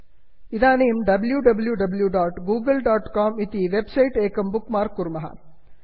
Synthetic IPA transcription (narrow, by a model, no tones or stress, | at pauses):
ɪðaːneːmɖɐbljuɖɐbljuɖɐbljuɖaːʈɡuːɡɐlɖaːʈkaːmit̪iʋebsɐjʈeːkɐmbʊkmaːɾkːʊɾmɐɦɐ̰